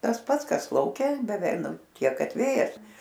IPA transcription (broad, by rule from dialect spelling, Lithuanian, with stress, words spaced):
tɐs ˈpɐts ˈkɐs lˠɐʊˈkʲɛ bʲɛˈʋʲɛɪ ˈnʊ ˈtʲiɛk ˈkɐt ˈʋʲeːjɛs